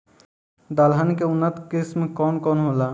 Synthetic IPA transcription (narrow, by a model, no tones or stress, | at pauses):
d̪aːlɦənkeʊnːət̪kɪsmkɔːnkɔːnɦoːlaː